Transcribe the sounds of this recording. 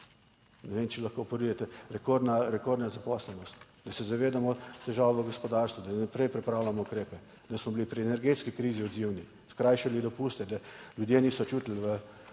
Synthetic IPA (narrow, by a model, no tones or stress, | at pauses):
nɛʋemt͡ʃɛlɐxkopɔɾujɛt̪ɛɾɛkoɾd̪naɾɛkoɾd̪nazapɔslɛnɔst̪ | d̪ɐsɛzaʋeːd̪amɔt̪ɛʒaːʋʋəɡɔspɔd̪aɾst̪ʋud̪anapɾɛjpɾɛpɾawlamɔukɾeːpɛ | d̪ɐsmɔblipɾiɛnɛɾɡet̪skikɾiːziɔd̪ziwni | skɾajʃɛblid̪ɔpust̪ɛd̪alʲjud̪jeniːsɔt͡ʃut̪ilʋə